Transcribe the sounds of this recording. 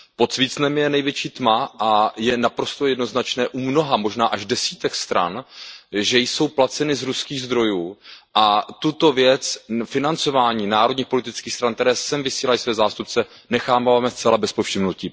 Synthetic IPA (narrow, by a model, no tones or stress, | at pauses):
pot̪sviːt͡snɛmjɛnɛjvjɛt͡ʃiːt̪maʔajɛnapɾo̞st̪o̞jɛdno̞znat͡ʃnɛːʔumno̞ɦamo̞ʒnaːʔaʒdɛsiːt̪ɛkst̪ɾa̰nʒɛjso̞wplat͡sɛnɪzɾuskiːɣzd̪ɾo̞juːʔat̪ut̪o̞vjɛt͡sfɪnant͡sovaːɲiːnaːɾodɲiːxpo̞lɪt̪ɪt͡skiːxst̪ɾankt̪ɛɾɛːsɛmvɪsiːlajisvɛːzaːst̪up̚t͡sɛ | nɛxaːvaːmɛst͡sɛlabɛspofʃɪmnosci